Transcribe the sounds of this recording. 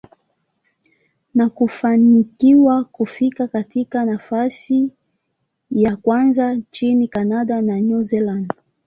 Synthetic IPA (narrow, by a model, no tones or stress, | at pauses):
nakufanikiwakufikakatikanafasi | jakwanzat͡ʃinikanaɗananuzɛland